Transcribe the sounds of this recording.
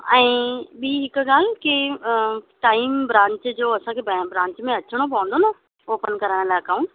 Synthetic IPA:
ɛ̃ːɓiːɦɪkɡal̤ki | ʈaːimbɾãːɲt͡ɕd͡ʑoːɐsãkʰebbɾãːɲt͡ɕmẽɐt͡ɕʰəɽ̃op̬ɐ̃ʋə̃nd̪ona | oːpənkəɾəɽ̃laːkaːũɳʈ

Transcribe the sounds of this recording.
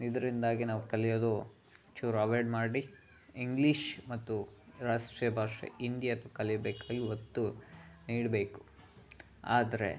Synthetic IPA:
id̪ɐɾind̪aːɡinaːʋukɐlijoːd̪u | t͡ʃuɾaʋɐɾɖmaːɽiiŋɡliʃmɐt̪ːuɾaːʂʈɾijɐbʱaːʂḛind̪jɐt̪ukɐlijbeːkaːɡiɦot̪ːu | niːɖbe̞ːku̥ | a̰ːd̪ɐɾḛ

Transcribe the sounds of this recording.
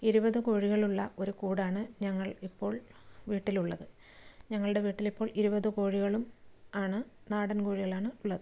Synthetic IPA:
iɾubɐðɨkoːɻiɣɐɭuɭːɐʔo̞ɾukuːɽaːɳɨɲɐŋːɐɭipːo̞ːɭʋiːʈːiluɭːɐðɨ | ɲɐŋːɐɭuɽe̞ʋiːʈːilipːo̞ːɭiɾubɐðɨkoːɻiɣɐɭumaːɳɨnaːɽɐnkoːɻiɣɐɭaːɳɨuɭːɐðɨ

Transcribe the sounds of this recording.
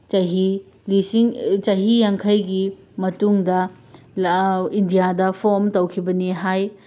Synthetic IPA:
t͡ʃɐɦi | lisiŋt͡ʃɐɦijaŋkʰɐjɡi | mɐtuŋdɐ | indijadɐpʰomtɐwkʰibɐniɦaj

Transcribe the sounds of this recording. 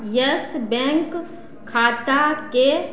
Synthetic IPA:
jəsbɛ̃ːŋkʰː | aːt̪ake

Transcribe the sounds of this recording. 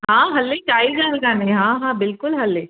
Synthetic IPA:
ɦãːɦɐlːeʈaːiɡaːnkãnẽɦãːɦãːbɪlkʊlɦɐlːeː

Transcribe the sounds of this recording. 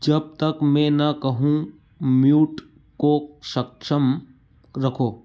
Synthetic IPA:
d͡ʒɐb̚t̪ɐkmẽnɐkɐɦũ | mjuːʈ | koʃɐkʃəm | ɾɐkʰoː

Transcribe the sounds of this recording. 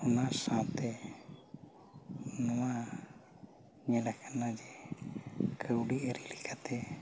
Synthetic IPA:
ɔnasãt̪ɛ | nɔwa | ɲɛlakʰanad͡ʒɛ | kʰəwɖiʔəɾilikʰat̪ɛ

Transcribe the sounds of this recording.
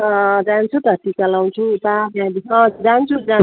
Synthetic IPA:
ʌd͡zãnt͡sʰud̪ʱʌʈːit͡salaw̃t͡sʰut̪abjãd̪iʌ̃d͡zant͡sʰud͡za

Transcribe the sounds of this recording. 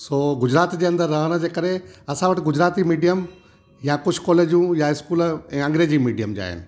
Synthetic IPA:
soːɡʊd͡ʑɾaːt̪d͡ʑeːɐ̃nd̪əɾːɐɦəɽ̃ə̆d͡ʑeːkɐɾeɐsãʋɐʈɪ̆ɡʊd͡ʑɾaːt̪imiːɖijəm | jakʊd͡ʑ̥̆ʰkɔːleːd͡ʑjũjaɪskuːlɛ̃ːɐ̃ŋɡɾeːd͡ʑimiːɖijəmd͡ʑa̰ːɦɪ̰nɪ̆

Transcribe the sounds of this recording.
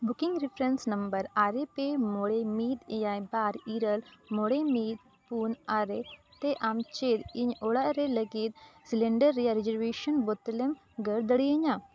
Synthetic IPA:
bʊkɪ̃ŋɡɾipʰɾensnɐmbəɾaːɾepeːmoːɽemiːd̪jaːjbaːɾiːɾəlmoːɽemiːd̪̚ | puːnaːɾet̪eʔamt͡ʃed̪iɲoːɽaɾeləɡiːt̪silẽɳɖəɾːijaɾezəɾʋeːʃənbot̪lem | ɡəɽd̪əɽiəɲãː

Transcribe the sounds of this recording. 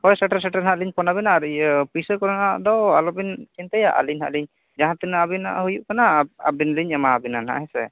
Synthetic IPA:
kɔjsɛʈaɾs̬ɛʈɛɾɦaʔliɲpɔnabɛnaɾpisəkɔɾɔnaʔd̪ɔalɔbint͡ʃɛnt̪ɛjaʔa̰liɲɦa̰ʔliɲ | d͡ʒaɦãt̪ɛnaabina̰ʔɦujuʔkanaa̰binliɲɛmaːbinanha̰ʔɦɛsɛ

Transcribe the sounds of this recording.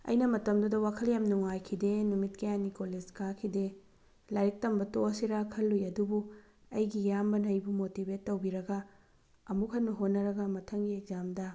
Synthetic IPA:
ɐ̰jnɐmɐtɐmdudɐwakʰɐljamnuŋajkʰidenumitkɐjanikoled͡ʒkakʰide | laɾik̚tɐmbɐtoɐsiɾakʰɐlːujɐdubu | ɐjɡijambɐnɐjbumotibetːɐwbiɾɐɡɐ | ɐmukʰɐnmɐɦot̚nːɐɾɐɡɐmɐtʰɐŋɡiek̚zamdɐ

